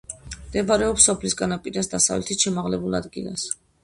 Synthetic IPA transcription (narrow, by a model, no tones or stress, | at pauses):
md̪ɛbaɾɛɔpsɔpʰlisɡanapʼiɾasd̪asavlɛ̰t̪ʰit̪ʃɛmaʁlɛbulˠa̰d̪ɡilˠa̰s